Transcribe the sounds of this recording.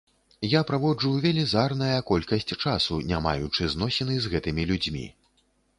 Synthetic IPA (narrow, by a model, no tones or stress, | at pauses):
japɾavɔd͡ʐuvʲɛlʲizarnɐjɐkɔlʲkɐsʲt͡sʲt͡ʂasunʲama̰jut͡ʂɨznɔsʲɛnɨzɣɛt̪ɨmʲilʲud͡zʲmʲḭ